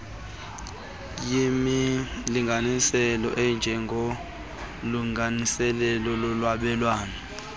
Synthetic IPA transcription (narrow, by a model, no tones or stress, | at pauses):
jimiliŋɡʱanisɛlɔ̰ʔɛnd͡ʒʱɛŋɡʱo | luŋanisɛlɛlɔlɔlwaɓɛlwaːnɛ